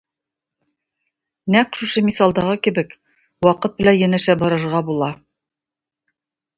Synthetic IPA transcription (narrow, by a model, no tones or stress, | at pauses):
nækʃuʃɤmisɑlˠd̪ɑʁɤkɘ̆bɘk | wɑqɤt̪̚bɘ̆læjænæ̆ʃæbɒɾɤ̆ɾʁɑbulˠɑ